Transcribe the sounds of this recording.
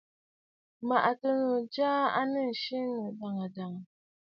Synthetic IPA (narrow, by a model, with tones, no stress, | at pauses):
ma˨ʔa˨tə˦no˨d͡ʒaː˦a̰˦nə˦˨ʃi˦nə˨ba˨ŋa˨da˨ŋ˨